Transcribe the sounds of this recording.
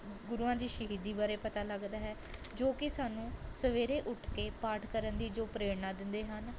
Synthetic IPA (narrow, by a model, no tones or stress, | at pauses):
ɡʊɾuːãːd͡ʒ̪iːʃəɦiːd̪iːbaːɾeːpət̪aːləɡd̪aːɦɛːd͡ʒoːkɪsaːnũːsəʋeːɾeːʔʊʈʰkeːpaːʈʰkəɾənd̪iːd͡ʒoːpɾeːɽnãːd̪ɪnd̪eːɦən